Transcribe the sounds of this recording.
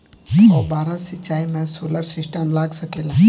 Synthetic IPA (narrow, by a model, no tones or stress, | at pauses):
ɔːbaːɾasɪt͡ʃːaːimɛ̃soːləɾsɪsʈəmlaːɡsɐkeːla